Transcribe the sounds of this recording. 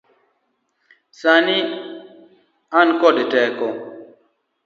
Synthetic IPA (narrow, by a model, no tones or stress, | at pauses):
sani | ankɔdetɛkɔ